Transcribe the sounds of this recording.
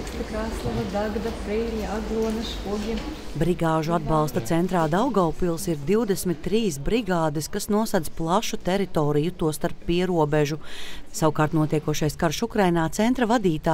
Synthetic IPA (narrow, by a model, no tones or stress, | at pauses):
kt̪akɾaːslˠavad̪aɡad̪apɾiːlʲiaɡlˠuɔnɐʃkuɔɡʲim | bɾiɡaːʒuad̪̚bɑlˠst̪ɐt̪sɛnt̪ɾaːd̪awɡawpilˠsiɾd̪iwd̪esmit̪ːɾiːsbɾiɡaːd̪ɪskasnuɔsad̪zplˠaʃut̪ɛɾit̪oːɾijut̪uɔst̪aɾpːiɛɾuɔbɛʒusawukaːɾt̪nuɔt̪iɛkuɔʃajskaɾʃukɾajnaːt̪sɛnt̪ɾɐvad̪iːt̪aː